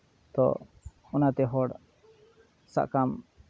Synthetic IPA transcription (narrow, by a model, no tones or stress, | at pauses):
t̪ɔ̰ | ɔnat̪ɛɦɔɽ | sa̰ʔkam